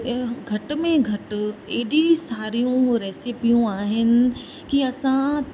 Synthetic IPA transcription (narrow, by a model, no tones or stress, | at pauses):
ɡʱɐʈmẽɡʱɐʈeːɗisaːɾijũɾɛːsipijũaːɦɪnɪ̆ | kiɐsã